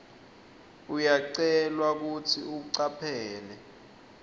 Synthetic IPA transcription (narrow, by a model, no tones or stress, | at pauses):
ujaǀɛlwak̬utʰiuɓuǀapʰɛːlɛ